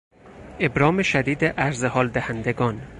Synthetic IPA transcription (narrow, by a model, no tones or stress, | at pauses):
ebɾɒːmeʃæd̪iːd̪eʔæɾzehɒːld̪æhænd̪eɡɒːn